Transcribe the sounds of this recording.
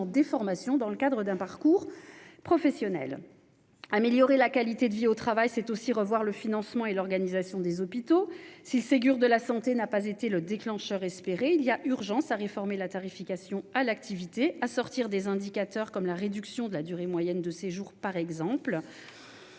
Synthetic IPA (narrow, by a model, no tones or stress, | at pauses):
d̪efɔʁmasjɔ̃d̪ɑ̃ləkad̪ʁəd̪ɛ̃paʁkuʁpχɔfɛsjɔnɛ̰l | ameljɔʁelakalit̪ed̪əviot̪χavajsɛt̪osiʁəvwaʁləfinɑ̃smɑ̃elɔʁɡanizasjɔ̃d̪ezɔpit̪osilseɡʲyʁd̪əlasɑ̃t̪enapazet̪eləd̪eklɑ̃ʃœʁɛspeʁeiliaʔyʁʒɑ̃saʁefɔʁmelat̪aʁifikasjɔ̃alak̚t̪ʰivit̪easɔʁt̪iʁd̪ezɛ̃d̪ikat̪œʁkɔmlaʁed̪yksjɔ̃d̪əlad̪yʁemwajɛnd̪əseʒuʁpaʁɛɡzɑ̃pl